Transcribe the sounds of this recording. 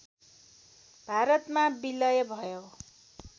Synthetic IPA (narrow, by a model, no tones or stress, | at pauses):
b̥ʱaɾʌt̪mabilʌjʌbʱʌjo